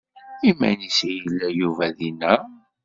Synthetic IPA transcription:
imæ̰nisijəlːæjuvæðinæ

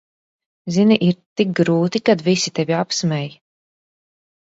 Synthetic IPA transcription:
ziniʔiɾt̪ik̚ɡɾuːt̪ikad̪visit̪eviapsmɛj

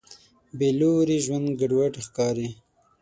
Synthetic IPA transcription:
beluɾiʒwand̪ɡaɖwaʈixkɑːɾi

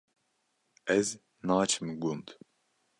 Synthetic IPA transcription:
ɛz | naːt͡ʃʰmɡund̪

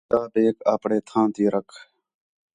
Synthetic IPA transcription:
aːbeːkaːpɽeːt̪ʰãːnt̪iːɾəkʰ

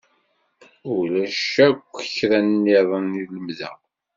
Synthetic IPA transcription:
ʊlæʃækʷːəçɾænːiðˤəniləmðæ̰

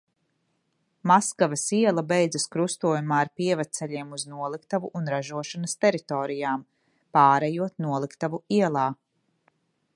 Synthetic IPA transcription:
maskavɐsiɛlˠɐbɛjd̪zɐskɾust̪uɔjumaːɾpiɛvat̪t̪sɛʎiɛmuznuɔlˠikt̪avuʔːnɾaʒuɔʃanɐst̪ɛɾit̪ɔːɾijaːm | paːɾɛjuɔt̪nuɔlˠikt̪avuiɛlˠaː

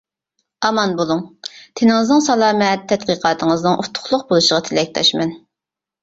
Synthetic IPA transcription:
ɑmɑnbolˠuŋt̪ʰɪnɪŋɪznɪŋsɑlˠɑːmɛt̪ʰːɛt̪̚qiːqʰɑːt̪ʰəŋəznɨŋʔut̪ʰːʊ̥χlˠʊq̚bolˠuʃəʁɑt̪ʰɪlɛk̚ʲt̪ʰɑ̰ʃmɛn

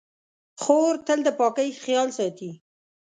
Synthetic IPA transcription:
xoɾt̪əld̪əpɑkəjxjɑlsɑt̪i

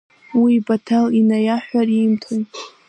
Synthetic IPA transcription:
wiːbatʰalinajaħʷᶣarimtʰoj

